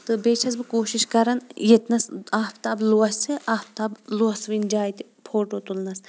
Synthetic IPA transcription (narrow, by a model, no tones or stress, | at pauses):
t̪ɨbet͡ʃʰɐzbɨkoːʃiʃkɐɾɐnjet̪nɐsaːft̪abluɐsiʔaːft̪abluɐsʋind͡ʒaːjt̪i | pʰoʈot̪ulnɐs